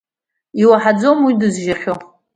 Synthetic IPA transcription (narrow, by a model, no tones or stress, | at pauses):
iwaħad͡zo̞mwidɨzʒaχʲo